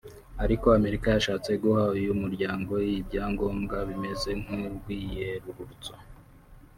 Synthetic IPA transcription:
aɾiko̞ame̞ɾikajaʃaːt͡se̞ɡuhaujumuɾɟaːŋɡo̞ijibɟaːŋɡo̞ːmɡaβime̞ze̞ŋ̥uɾɡwiːje̞ɾuɾuɾt͡so̥

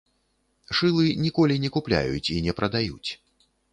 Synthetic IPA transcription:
ʂɨlˠɨnʲikɔlʲinʲɛkuplʲa̰jṵt͡sʲinʲɛpɾɐd̪ajut͡sʲ

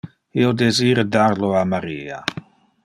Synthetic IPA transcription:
iːod̪eziːɾəd̪arloamaɾiːa̰

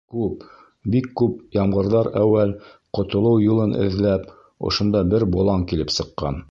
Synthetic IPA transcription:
kʉp | bikːʉp̚jɑmʁɤ̆ɾðɑɾæwælqŏt̪ŏlˠɤwjulˠɤnʔɘ̰̆ðlæp | ŏ̰ʃŏnd̪ɑbɘɾbŏlˠɑŋkilɘpsɤ̆qːɑ̰n

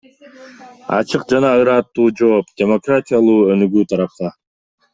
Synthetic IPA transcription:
ɑ̰t͡ʃɯqd͡ʒɑnɑɯɾɑt̪ːuːd͡ʒo̞ːpd̪ʲe̞mo̞kratʲijalˠuːø̞nyɡyːt̪ʰɑɾɑp̚t̪ɑ

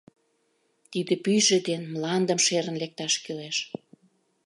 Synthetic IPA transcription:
t̪id̪ĕpyjʒĕd̪enmlɑnd̪əmʃeɾə̆nlek̚t̪ɑʃkyleʃ

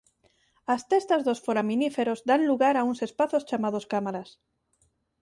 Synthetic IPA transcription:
ast̪est̪azðo̞sfoɾaminife̞ɾo̞zd̪anluɣaɾaunse̞spaθost͡ʃamað̞o̞skamaɾas

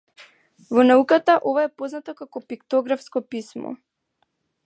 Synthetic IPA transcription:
vɔnaukat̪aʔovaɛpoznat̪ɔkakɔpikt̪ɔɡɾafskɔpismɔ̰

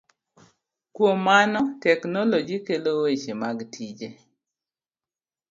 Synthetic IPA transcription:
kwomːanɔtɛknolod͡ʒikelowet͡ʃemaɡtʰid͡ʒe

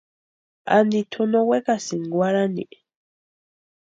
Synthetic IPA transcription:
a̰nd̪it̪ʰunowekasiŋɡwaɾanḭ

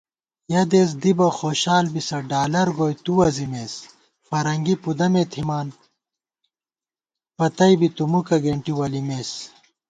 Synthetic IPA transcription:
jɐd̪eːs̬d̪ibɐxoːɕaːlbisɐɖaːlɐɾɡoːjt̪uwɐzimeːs | fɐɾɐŋɡipud̪ɐmeːt̪ʰimaːn | pɐt̪ɐjbit̪umukɐɡeɳʈiwɐlimeːs

